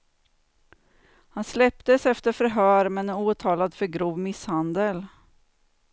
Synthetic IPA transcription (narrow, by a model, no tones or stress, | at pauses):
hanslɛpt̪əsɛft̪əɾfœɾɦœːɾmɛnuːt̪ʰɑːlad̪fœɾɡɾuːvmɪshand̪əl